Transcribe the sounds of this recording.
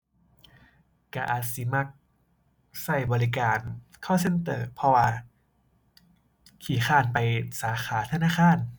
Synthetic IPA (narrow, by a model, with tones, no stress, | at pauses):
ka˧˩ʔa̰ː˨˩t̪̚si˨˧˦ma˧˥˩k̚ | sa˧˩jbɔː˧ɾi˧kaː˧nkʰa˥˩wse˧˥˨nt̪ɤː˧˩pʰɔ˧waː˧ | kʰiː˨˩˦xaː˧˩˨npa˧jsaː˩˦xaː˩˦t̪ʰa˧naː˧˥˨kʰaː˧˥˨n